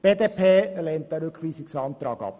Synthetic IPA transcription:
b̥eːd̪eːpʰeːleːnt̚d̥̪ɛɾʏkχʋiːsɪksɑnt̪ɾɑːɡɑ̰p

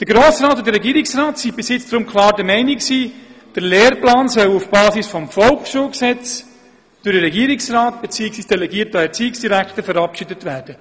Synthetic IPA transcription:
d̥əɾɡɾoːsɾaːtʊndəɾːɛɡiːɾɪksraːtsibɪsjɪt͡sd̥̪ɾʊmkʰlɑːɾdəmɛɪnɪksiː | d̥əɾleːɾplaːnsœwufb̥ɑːsisfɔmfɔlkʃuːlksɛt͡s | d̥ʊɾəɾɛɡiːɾɪksraːtb̥ɛt͡siəksiːsd̥ɛlɛɡiəɾtəɛɾt͡siːɪksd̥iɾækχtəfəɾɑpʃidətvæːɾd̥ə

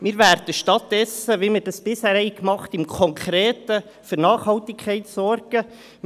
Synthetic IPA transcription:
mɪɾvæɾd̥əʃtɑt̚d̥ɛsəʋɪməɾdɑsb̥ɪshæːɾhɛɪkmɑχtɪmkʰɔŋkʰɾeːtə | fyɾnɑːχhɑltɪkkʰːɛɪtsɔrɡ̥ə

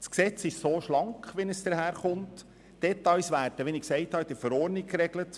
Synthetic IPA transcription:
sksɛt͡sɪʃsoːʃlɑŋkχʋɛnəsd̥̪əɾɦæːɾχʊnt | d̥ɛt̪ːɑjsʋæːɾdəʋɛnɪksɛɪthɑd̪ɪɾfəɾɔːɾnikɾɛɡlət

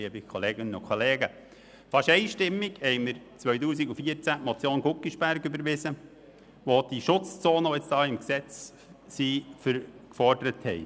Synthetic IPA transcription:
iəbikʰoleːɡɪnənʊkʰɔleːɡə | fɑʃɛɪʃtɪmːɪɡhɛɪməɾ | t͡sʋœʏtuːsiɡufiəɾt͡sæmɔt͡sjoːnɡukːiʃpæɾɡʏbəɾʋɪzə | ʋod̥iʃʊt͡st͡soːnəoɪt͡sd̥ɑːɪmksɛt͡s | sifəɾkfɔɾdəɾəthɛɪ

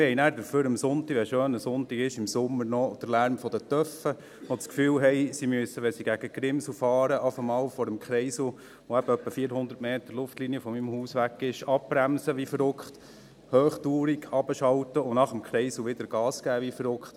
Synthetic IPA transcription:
ɪhɛɪnæːɾd̪əɾføːɾəmsʊnt̪ikʋɛʃøːnəsʊnt̪iɡɪʃɪmsʊmːəɾnɔd̥əɾlæːɾmfɔd̥̪ət̪œfə | ʋɔt͡skfyːwɦɛjsimyəsəʋɛnsiɡæɡ̥əɡ̥ɾɪmsl̩fɑːɾəʔɑfəmɑːlfɔɾəmkχɾɛɪsu | ʋɔæb̥əœpːəfiːəɾhʊnd̪əɾtmeːt̪əlʊftliniəfɔmimhuːsʋækːɪʃɑp̚pɾæmsəʋifəɾʊkχt | høːχtuːɾiɡɑb̥əʃɑltəʊnɑχəmkχɾɛɪsl̩ʋɪd̪əɾɡ̥ɑːsɡ̥æːʋifəɾʊkχt̪

